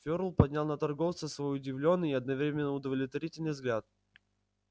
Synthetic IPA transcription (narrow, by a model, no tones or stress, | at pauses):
fʲoɾlˠpɐdʲnʲalˠnət̪ɐrɡoft̪səsvojʊdʲɪvlʲo̞nːɨɐd̪̚nɐvɾʲemʲɪnːəʊd̪əvlʲɪt̪vɐɾʲitʲɪlʲnɨjzɡlʲat̪̚